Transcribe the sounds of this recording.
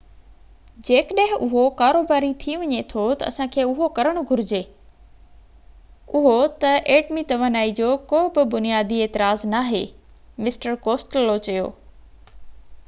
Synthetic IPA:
d͡ʑeːkəɗəɦɪ̃ʔʊɦokaːɾoːbaːɾit̪ʰiʋɐɲet̪ʰot̪ɐ̰ɐ̰sãkʰeːʊɦokɐɾəɽ̃ʊɡʱʊɾɪd͡ʑeː | ʊɦot̪ɐʔeːʈmit̪ɐʋənaːid͡ʑoːkoːbɪbʊnijaːd̪ieːt̪ɪɾaːznaːɦeː | mɪsʈəɾkoːsʈəlːot͡ɕɐjo̰ː

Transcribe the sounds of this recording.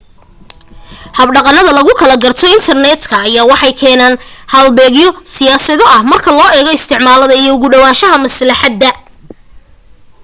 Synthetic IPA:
hɐbɖɑqɑnɐðɐlɐɣʊkʰɐlɐɡɐrt̪ʰɔɪnt̪ʰɐrnɛd̪kʰɐːjaːwɑħɑjkʰɛːnaːnhɐlbɛːɣjɔsɪjaːsɐðɔɐhmɐrkʰɐlɔːɛːɣɔɪst̪ʰɪʕmaːlɐðɐijɔʊɣʊɖɐwaːʃɐɦɐmɐslɐħɑd̪ːɐ

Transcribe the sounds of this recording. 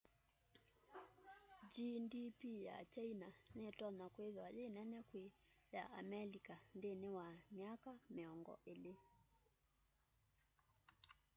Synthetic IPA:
d͡ʒindipija̰t͡ʃainanɛtɔnakweðwad͡ʒɛnɛnɛkweja̰ʔamɛlikandenɛwamjakamiɔŋɡɔ̰ʔele

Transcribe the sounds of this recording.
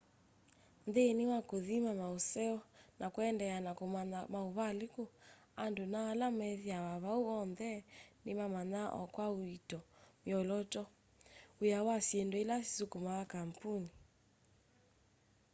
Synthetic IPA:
ndeniwakoðimamausɛɔnʔakuɛndɛanakumanamauβaliku | andunaːlamɛðiawaβauɔndɛnimamanaʔɔ̰kwauitɔmiɔlɔtɔ | ujawasiɛndɔilasi̥sukumaakampuni

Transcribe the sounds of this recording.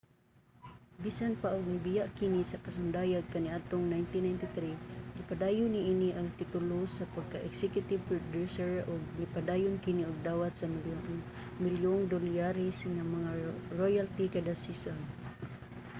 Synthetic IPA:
bisanpaʔʊɡ̚nibɪjaʔkinisakasʊnd̪ajaɡ̚kaniʔat̪ʊŋnajnt̪inajnt̪it̪ɾinɪpad̪ajʊniʔiniʔaŋt̪it̪ʊlʊsapaɡ̚kaʔɛksɛkjʊt̪ɪb̚pɾod̪usɛɹʊɡ̚nipad̪ajʊnkɪniʊɡ̚d̪awat̪̚sam | mɪljoŋd̪olijaɾisŋamaŋaɹojalt̪ikad̪asison

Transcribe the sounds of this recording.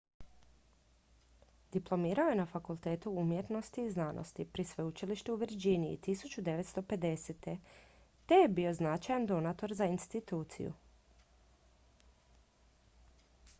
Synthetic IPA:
d̪̥iplˠo̞miːɾaoje̞nafakulˠt̪e̞ːt̪uumjet̪no̞st̪iːznaːnʔo̰st̪ipɾisʋe̞ut͡ʃiliʃt̪euʋiɾd͡ʑiniḭt̪isut͡ɕud̪e̞ʋet̪st̪o̞pe̞d̪e̞set̪e̞t̪ejebio̞znat͡ʃajand̪o̞nat̪o̞ɾzainst̪it̪uːt̪sḭjṵ

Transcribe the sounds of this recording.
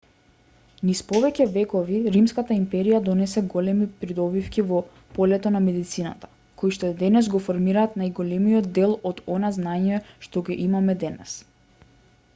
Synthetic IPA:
nispɔvɛcɛvɛkɔviɾimskat̪aimpɛɾijad̪ɔnɛsɛɡɔlɛmipɾid̪ɔbifkʲivɔ | pɔlɛt̪ɔnamɛd̪it̪sina̰t̪ḁ | kojʃt̪ɔɛd̪ɛnɛs̬ɡɔfɔɾmiɾaːt̪najɡɔlɛmijɔd̪̚d̪ɛlˠɔd̪ɔnaznaɲɛʃt̪ɔɡɛʔimamɛd̪ɛnɛ̰s

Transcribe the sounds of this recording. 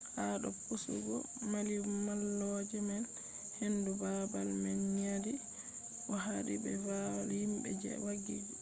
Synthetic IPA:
haɗɔpusṵɡɔ̰ | malimalːɔd͡ʒɛmɛn | hendubabalmɛnːiadi | ʔɔɦaɾḭbɛfahimbɛ̰d͡ʒɛ̰waɡid͡ʒ

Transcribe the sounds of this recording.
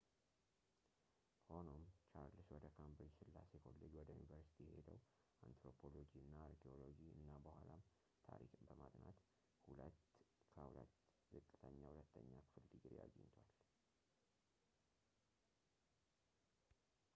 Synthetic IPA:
hono̞mt͡ʃaɾlɨswɔd̪əkʰambɾisɨlːasekʰolːəd͡ʒwɔd̪əjunivəɾsi̥t̪ʰijɛhed̪əw | ant̪ɾo̞pʰo̞lo̞d͡ʒiɨnːaaɾkʰeo̞lo̞d͡ʒiɨ̰nːabəhʷalam | t̪ʰaɾikʼɨmbəmad̪nat̪ | hulət̪kʰəhulə̰t̪ː | zɨkʼːɨt̪ʰəɲːahulət̪ʰːəɲːafɨlːɨɡɨɾja̰ɡəɲt̪ʰwal

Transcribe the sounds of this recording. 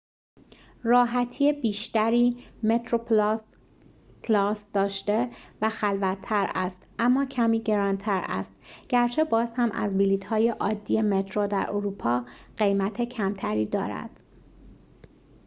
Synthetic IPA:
rɒːɦæt̪ʰiːebiːʃt̪æɾiːme̞t̪ʰɾopʰls | lɒːsd̪̥ɒːʃt̪e̞væxælvæt̪ʰːæɾæst̪ʔæmːɒːcʰæmiːɟe̞ɾɒːnt̪ʰæɾæ̰st̪ɟ̥æɾt͡ʃʰe̞bɒːzhæmʔæ̰zbiliːt̪hɒːjeʔɒːd̪ːiːje̞met̪ʰɾod̪æ̰ɾʔoɾuːpʰɒːɢ̥e̞jmæt̪ʰe̞cʰæmt̪ʰæɾiːd̪ɒːɾæ̰d̪̥

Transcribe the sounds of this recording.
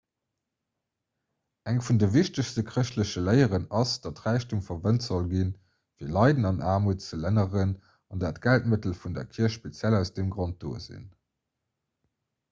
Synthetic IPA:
æŋfundəviɕtəɕstəkʁəɕtləɕəlɜɪəʁənɑsd̥ɑtʁæɪɕtuŋfɐvəntz̥olɡin | viːɐlɑɪdənɑnaːmuːtt͡sələnəʁən | ɑndaːtɡ̥ælt̚mətəlfundɐ̰kʰiɐʃʃpet͡sjælæʊsd̥emɡʁont̚d̥o̰ːzḭn

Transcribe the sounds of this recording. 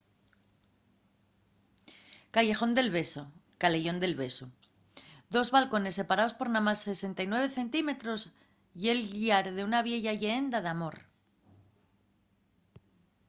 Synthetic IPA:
kaʝe̞xo̞nd̪e̞lβe̞so̞kale̞ʝo̞nd̪e̞lβe̞su | d̪o̞zβalko̞ne̞sːe̞paɾao̞spo̞ɾnamasːe̞se̞nt̪ajnwe̞β̞e̞θe̞nt̪ime̞t̪ɾo̞s | je̞lʝiaɾðeunaβje̞ʝaʝeend̪aðamo̞ɾ

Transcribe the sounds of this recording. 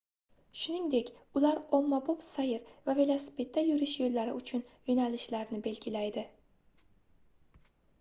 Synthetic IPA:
ʃʊnɪŋd̪e̞kʲʊlaɾɒmːabopsajɪɾvavelˠasɪ̥pʰe̞t̪ʰːajʊɾɪʃjolːaɾɪʊt͡ʃʰʊnjonalɪʃlaɾnɪbe̞lɡʲɪlajd̪ɪ

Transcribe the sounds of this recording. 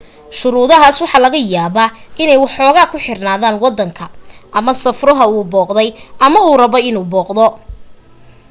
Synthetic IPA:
ʃʊɾuːðɐɦaːswɑħɑːlɐɣɐjaːβaːʔɪnɛjwɑħɔːɣaːkʰʊħɪrnaːðaːnwɑd̪ːɐŋkʰɐʔɐmɐsɐfrɔɦɐuːbɔːqðɛjʔɐmɐuːrɐβɔjɪnuːbɔːqd̪ɔ

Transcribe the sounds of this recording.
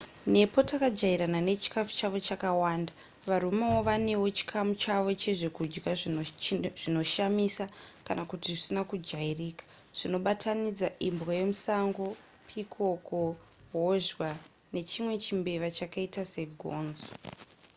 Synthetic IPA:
ne̞po̞takad͡ʒaiɾanane̞t͡ʃi̥kafu̥t͡ʃaʋo̞t͡ʃakawaːnda | ʋaɾumawo̞ʋane̞wo̞t͡ʃi̥kʰamut͡ʃaʋo̞t͡ʃe̞ʐe̞kud͡ʒɡa | ʐ̥ino̞ʃamisakanakutiʐisinakud͡ʒairiːkḁ | ʐ̥ino̞ɓatʰanid͡zaʔimbɣoje̞musaŋɡo̞ | pʰikʰo̞ko̞ | ɦoʒwa | ne̞t͡ʃimwe̞t͡ʃimbe̞ʋat͡ʃakaitase̞ɡʱo̰ːnzo̥

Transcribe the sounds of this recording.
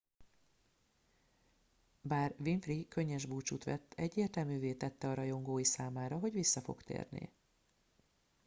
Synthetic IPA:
baːrvinfrikø̞ɲːɛʒbuːt͡ʃut̪ʋɛ̰t̪ʰːɛɟːeːrt̪ɛlmyːveːt̪ɛt̪ːɛɒɾɒjo̞ŋɡoːjisaːmaːɾɒɦo̞ɟʋisːɒfo̞̰kt̪ḛːrnḭ

